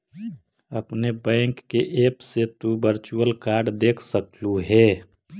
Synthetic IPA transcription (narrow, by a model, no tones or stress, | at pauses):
əpnebɛ̃ːŋkːeʔeːpset̪ubəɾt͡ʃuəlkaːɾɖd̪eːkʰsəkluɦɛː